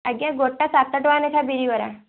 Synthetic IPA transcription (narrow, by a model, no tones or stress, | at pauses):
ɐɡjaɡoʈːasat̪ːəʈʋanet̪ʰabiɾiʋɐɾa̰